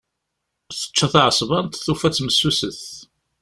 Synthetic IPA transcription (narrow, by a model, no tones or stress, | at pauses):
θə̥t͡ʃːæθʕəsˤvɑnt̪θufæt͡sːməsːusəθ